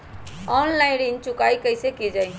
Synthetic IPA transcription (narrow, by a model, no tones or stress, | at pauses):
ɔnlaɪɖint͡ʃukaikəjsekid͡ʒai